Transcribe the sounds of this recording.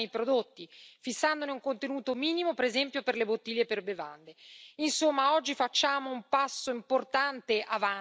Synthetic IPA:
ejpɾod̪ot̪ːifisːand̪oneuŋkont̪enuːt̪omiːnimopeɾezɛmpjoperlebot̪ːiʎːeperbeva̰nd̪einsomːaɔd͡ʒːifat͡ʃːaːmoumpasːoimport̪ant̪eʔava

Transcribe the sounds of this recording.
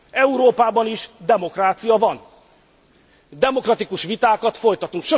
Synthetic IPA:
ɛuɾoːpaːbɒniʃd̪ɛmo̞kraːt̪sijɒvɒn | d̪ɛmo̞krɒt̪ikuʃʋit̪aːkɒt̪fo̞jt̪ɒt̪uŋkʃo

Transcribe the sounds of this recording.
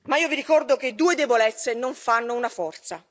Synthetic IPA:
maiːoviɾikɔrd̪ok̟ed̪ːuːed̪ebolɛt̪sːenoɱfanːounafɔrt̪sa

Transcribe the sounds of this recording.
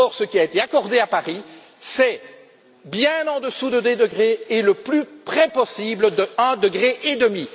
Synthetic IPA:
ɔʁsəkʲiaet̪eakɔʁd̪eapaʁi | sɛ | bjɛ̃nɑ̃d̪əsud̪əd̪ed̪əɡʁeːləplypχɛpɔsibləd̪əɛ̃d̪əɡʁeʔed̪əmi

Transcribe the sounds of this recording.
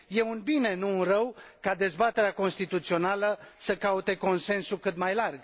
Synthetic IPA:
je̞unbine̞nuːnrəwkad̪e̞zbat̪e̞ɾeako̞nst̪it̪ut̪sio̞naləsəkaut̪e̞ko̞nse̞nsukɨt̪majlarɡ

